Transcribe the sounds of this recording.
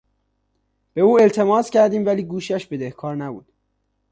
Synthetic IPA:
b̥e̞uːe̞lt̪ʰe̞mɒːscʰæɾd̪iːmvæliːɡuːʃæʃbe̞d̪ehkʰɒːɾnæbṵːd̪̥

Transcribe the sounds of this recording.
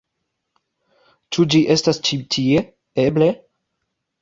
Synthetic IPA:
t͡ʃud͡ʒiʔe̞stast͡ʃitʰie̞ | eble̞

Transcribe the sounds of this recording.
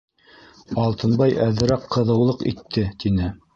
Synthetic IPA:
ɑlˠt̪ɤ̆nbɑjæðɘ̆ɾæqːɤ̆ðɤ̆wlˠɤqḭt̪ʰːɘt̪inɘ

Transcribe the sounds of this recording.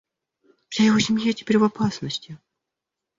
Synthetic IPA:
fsʲajɪvosʲɪmʲjatʲɪ̥pʲeɾʲvapasnəsʲtʲɪ

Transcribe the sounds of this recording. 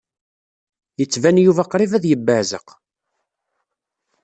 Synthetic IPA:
jət͡sːvænjuvæqɾivæðjəbːəʕzə̰q

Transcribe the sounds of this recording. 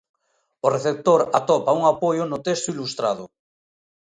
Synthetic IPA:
oreθep̚t̪oɾat̪ɔpauŋapojʊnʊt̪est̪oilust̪ɾaðʊ

